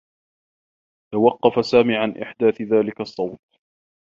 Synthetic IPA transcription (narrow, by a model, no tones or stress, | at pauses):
t̪awɑqːɑfasaːmiːʕanʔɪ̰ħd̪aːθɪðaːlɪkɑsˤːɑwt̪̚